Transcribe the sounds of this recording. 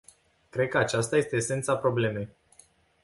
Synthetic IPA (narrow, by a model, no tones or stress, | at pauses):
kɾe̞d̪̚kəat͡ʃast̪aje̞st̪e̞ːse̞nt̪sapɾo̞ble̞me̞j